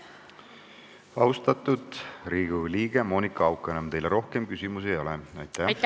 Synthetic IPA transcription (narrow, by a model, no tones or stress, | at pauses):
ɑust̪ɑt̪ːˑud̪riːɡ̥uliːɡ̥emo̞ːnikːˑɑɑwkˑːenɑmt̪e̞jleɾo̞hke̞mkysʲimusiejo̞leɑjt̪ːˑæ